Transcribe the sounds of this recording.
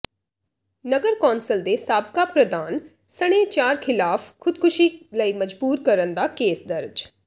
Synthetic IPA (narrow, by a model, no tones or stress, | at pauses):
nəɡəɾkɔːnsəld̪eːsaːb̚kaːpɾəd̪aːn | səɽ̃eːt͡ʃaːɾkʰɪlaːfkʰʊd̪̚kʰʊʃiːləiːməd͡ʒbuːɾkəɾənd̪aːkeːsd̪əɾd͡ʒ